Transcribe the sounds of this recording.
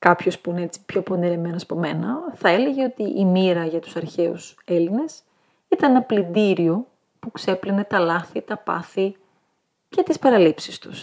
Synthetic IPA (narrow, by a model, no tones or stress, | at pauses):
kɐpço̞spuineet͡si̥pço̞po̞niɾe̞me̞noɐsɐpo̞me̞nɐθɐe̞le̞ʝe̞o̞t̪iʔimiɾɐʝɐt̪u̥sɐɾçe̞ṵse̞line̞s | it̪ɐnnɐplid̪iɾio | pukse̞pline̞t̪ɐlɐθit̪ɐpɐ̰θi | ce̞t̪ispɐɾɐlipsist̪u̥s